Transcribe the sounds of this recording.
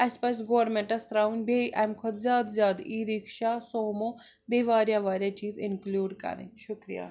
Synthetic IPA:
ɐspɐsɡoːʋɾmẽɳʈɐst̪ɾawnbeʔɐjmkʰɔd̪zʲjaːd̪zjaːd̪iːɾikʃasoːmo | beːʋaːɾjaʋaːɾʲjat͡ʃiːzɪnkluːɖkɐ̰ɾḛ̃ʃʊkɾija̰ː

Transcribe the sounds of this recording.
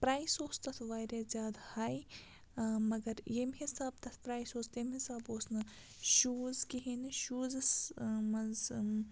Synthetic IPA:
pɾaːjsoːst̪ɐt̪ʰʋaːɾeːzʲjaːd̪haːj | mɐɡɐɾjemɦisaːb̚t̪ɐt̪ʰpɾaːjsoːst̪emɦisaːboːsnɨ | ʃuːzkiɦenɨʃuːzɨsmɐz

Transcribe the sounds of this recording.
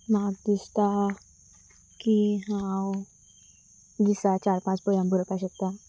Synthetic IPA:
maɡ̚d̪ist̪a | kiɦãw | d̪isat͡ɕaɾpãt͡sbɔjambʱuɾpaɕək̚t̪a

